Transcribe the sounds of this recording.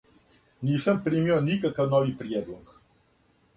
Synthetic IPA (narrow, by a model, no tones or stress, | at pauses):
niːsəmpɾimionikakawnɔʋipɾijɛd̪lɔk